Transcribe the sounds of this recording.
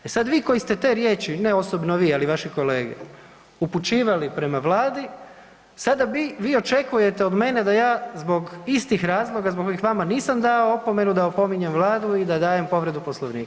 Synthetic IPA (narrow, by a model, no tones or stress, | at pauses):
e̞sad̪ʋiːko̞jist̪e̞t̪e̞ːɾjeːt͡ʃine̞o̞sobnoʋiːaliʋaʃiko̞le̞ːɡḛ | uput͡ʃiːʋalipɾe̞maʋlaːd̪i | sad̪aʋiːʋiːo̞t͡ʃe̞kuje̞t̪e̞o̞d̪me̞ne̞d̪ajaːzbo̞ɡist̪ixɾaːzlˠo̞ɡazboko̞jixʋamaniːsamd̪aoopo̞me̞nud̪aopo̞miɲe̞mʋlˠaːd̪uid̪ad̪aːje̞mpo̞ʋɾe̞d̪upo̞slˠoʋnḭːk